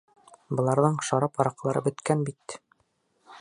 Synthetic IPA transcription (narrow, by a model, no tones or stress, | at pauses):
bɤ̆lˠɑɾðɤɴʃɑɾɑpɒɾɑqlˠɑɾɤ̰bɵ̆t̪kænbit̪